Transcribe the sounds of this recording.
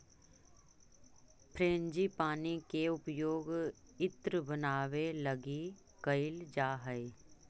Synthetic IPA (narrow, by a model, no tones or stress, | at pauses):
pʰɾeːnd͡ʒipaːnikeʊpjoːɡɪt̪ɾəbənaːʋelɐɡi | kəɪld͡ʒaːɦəj